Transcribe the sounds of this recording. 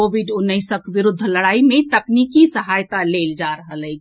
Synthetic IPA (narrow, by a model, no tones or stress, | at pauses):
oːbɪɖʊnːəɪsəkʋɪɾʊd̪ʱːlɐɽaːimẽt̪əkniːkisəɦaːjt̪aleːld͡ʒaːɾəɦəlɛɡi